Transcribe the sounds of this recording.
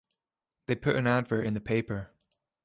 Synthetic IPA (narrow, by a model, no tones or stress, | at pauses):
ðeɪpʰʊɾʔɨ̃nædvə˞ʔɨ̃nðɨpʰeɪpə˞